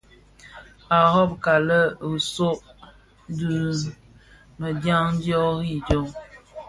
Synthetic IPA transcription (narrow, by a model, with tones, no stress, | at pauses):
a˨hɔ˦p̚ka˨lə˦u˨so˦ʔ | du˦ | mə˨dja˦ŋ˦djɔ˦ɣi˦˨d͡ʒo˦ŋ